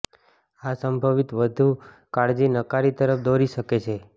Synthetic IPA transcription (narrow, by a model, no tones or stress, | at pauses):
asəmbʱaʋit̪ʋəd̪ʱu | kaɽd͡ʒinəkaɾit̪əɾəpʰd̪oɾiʃəket͡ʃʰe